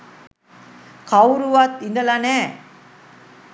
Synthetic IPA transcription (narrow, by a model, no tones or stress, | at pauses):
kawɾuʋat̪ind̪ɐlane